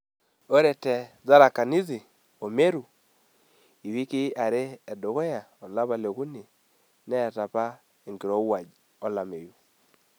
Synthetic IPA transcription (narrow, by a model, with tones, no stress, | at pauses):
o˦ɾɛ˨tɛ˨ | za˦ɾa˨ka˨ni˦zi˨ | o˨me˦ɾu˨ | i˨βi˦ki˦a˨ɾeː˦˨do˨ɣo˦ja˨ | ɔ˨la˦βa˨le˨ɣu˦ni˨ | nɛ˦˨ta˨pa˦ | e˨ŋɡi˨ɾo˦wa˨d͡ʒ | ɔ˦la˨me˨ju˨